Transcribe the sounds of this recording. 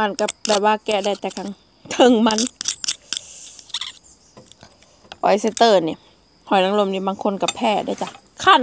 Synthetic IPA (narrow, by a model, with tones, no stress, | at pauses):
ma˧˥˨nka˧˩bɛː˨˩p̚waː˧˨kɛː˧˩da˧˩jt̪ɛː˨˧˩kʰa˧˨ŋ | t̪ʰɤ˧˥˨ŋma˧˥˨n | ʔɔ̰˨˩jse˧˩t̪ɤː˧˩ni˧˩ | hɔ˨˩jnaː˧ŋlo˧˥˨mniː˧˥˩baː˧˥˨ŋkʰo˧˥˨nka˧˩pʰɛː˧˩˨da˧˨jt͡ɕa˧˩ | kʰaː˧˨n